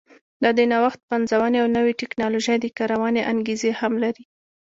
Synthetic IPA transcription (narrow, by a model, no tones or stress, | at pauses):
d̪ɑd̪ənawaxt̪̚panzawaneawnəweʈɪknɑloʒajd̪əkɑɾawɑneʔaŋɡezehamlaɾi